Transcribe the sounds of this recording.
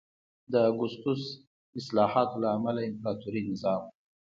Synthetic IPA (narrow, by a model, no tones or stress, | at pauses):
d̪əɡʊst̪us | ɪslɑhɑt̪olaːmalaɪmpɾɑt̪uɾinɪzɑm